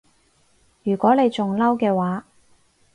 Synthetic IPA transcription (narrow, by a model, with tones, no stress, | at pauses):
jyː˨˩kʷɔː˨˥ne˨˧jt͡ʃʊ˨ŋlɐ˥wkɛː˧waː˨˥